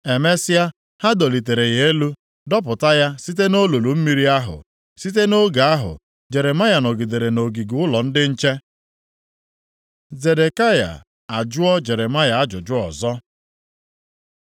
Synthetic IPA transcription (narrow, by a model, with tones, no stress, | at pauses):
e˨me˦sɪ˦a˦ | ha˦do˨li˨te˨ɾe˨ɣe˨˦e˦lu˦ | dɔ˦p̬ʊ˨ta˦ja˦si˦t̬e˦no˦lo˨lu˨m̩˦mi˦ɾi˦a˦ɦʊ̰˨ | si˦t̬e˦no˦ɡa˨a˦ɦʊ̰˨ | d͡ʒe˨ɾe˨ma˦ja˨no˨ɡi˨de˨ɾe˨no˨ɡi˨ɡu˨˦ʊ˦lɔ˨n̩˦dɪ˦n̩˦t͡ʃe˦ | ze˨de˨ka˦ja̰˨ | a˨d͡ʒʊ˦ɔ˦d͡ʒe˨ɾe˨ma˦ja˨a˦d͡ʒʊ˨d͡ʒʊ˦ɔ̰˨zɔ˦